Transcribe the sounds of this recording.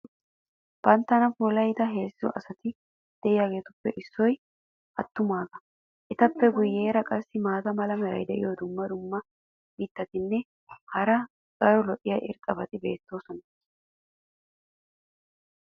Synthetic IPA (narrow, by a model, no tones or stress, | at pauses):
b̥ɐnt̪ːɐnɐfuːlɐjt̪ɐɦe̞ːsɪzɔ̰ʔɐsɐt̪ɪ | d̪̥ɛʔɪjaːɡe̞ːt̪ʊpːɛʔɪsːɔj | ʔɐt̪ːʊmaːɡɐ | ʔɛt̪ɐpːɛɡʊjːe̞ːɾɐkʼɐsːɪmaːd̪ɐmɐlɐmɛɾɐ̰jd̪ɛʔɪjod̪ʊmːɐd̪ʊmːɐ | biːt̪ːɐt̪ɪnːɛ | hɐɾɐ | kʼɐɾɔlɔʔɪjɐʔɪ̰ɾt̪ʼːɐbɐt̪ɪbe̞̰ːt̪ːo̞ːsɔnɐ